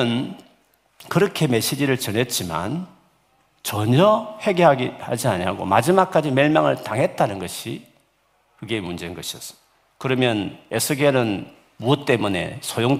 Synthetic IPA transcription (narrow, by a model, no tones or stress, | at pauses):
n | kɯɾʌkʰe̞me̞ɕ͈id͡ʑiɾɯɭt͡ɕʌnɦe̞t̚t͡ɕ͈ima̰n | t͡ɕʌɲʌhe̞ɡeɦaɡihad͡ʑiaɲiɦaɡo̰ma̰d͡ʑimak̚k͈ad͡ʑimeɭmaŋɯɭtaŋɦe̞t̚t͈anɯnɡʌɕʰi | kɯɡemund͡ʑenɡʌɕʰiʌs͈ʌ̥ | kɯɾʌmjʌnesʰɯɡeɾɯn | muʌt͈e̞mune̞̰sʰojoŋ